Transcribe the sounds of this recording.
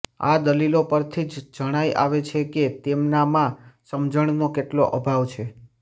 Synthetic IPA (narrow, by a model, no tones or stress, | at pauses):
a̰d̪əlilopəɾt̪ʰid͡ʒd͡ʒəɽ̃ajʔa̰ʋet͡ʃʰeket̪emnamãsəmd͡ʒəɳ̃nokeʈloʔəbʱaʋt͡ʃʰe